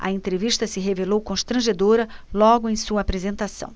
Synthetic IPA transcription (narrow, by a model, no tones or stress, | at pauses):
ɐ̰ẽnt̪ɾeviʃt̪ɐsɪɦevelowkõʃt̪ɾɐ̃ʒed̪oɾɐlɔɡʊẽj̃suɐaːpɾezẽnt̪asɐ̰̃w̃